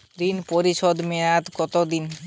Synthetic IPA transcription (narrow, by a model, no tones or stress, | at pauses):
ɾinpoɾiʃɔd̪meat̪ɡɔt̪od̪in